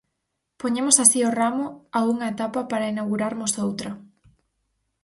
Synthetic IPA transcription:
poɲẽmosasioramʊauŋɐet̪apɐpaɾɐinawɣuɾaɾmʊsowt̪ɾɐ

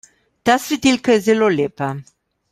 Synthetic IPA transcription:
t̪asɾit̪ilkəzelolepa

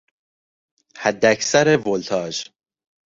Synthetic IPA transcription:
hæd̪ːæksæɾevolt̪ʰɒːd͡ʒ

